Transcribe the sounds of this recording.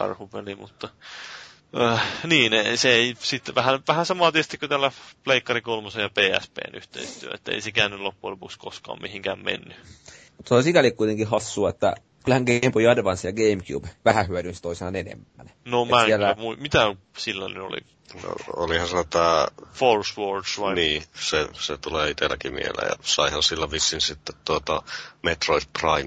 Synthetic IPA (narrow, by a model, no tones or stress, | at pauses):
kɑ̰rhupelimut̪ːɑ | əːniːneseeisit̪ːʋæhænʋæhæsɑmɑːt̪iest̪ikːot̪ælːæpleikːɑrikolmɑsejɑpeːæ̰spḛːnyht̪ḛist̪yø̰ḛt̪ːæḛisekæːnːyllopːulopukskoskɑ̰ːmihiŋkæːmmḛnːymut̪ːɑsikælikkuit̪eŋkihɑsːuɑet̪ːæ̰ | kylhæŋɡeimpojɑdeʋɑnsjɑɡeimkjṵːb̥ʋæhæhyædynst̪oisenɑnenḛmːæ̰nnomæiælæmuimit̪æsilːænyo̰lḭ | no̰o̰lihɑ̃nsenot̪æːforsʋordsʋɑiniːseset̪uleːit̪elːæ̰kimḭḛhlːḛjɑ̰sɑihɑnsilːæʋisːinsit̪ːet̪t̪uot̪ɑmet̪roit̪̚prɑim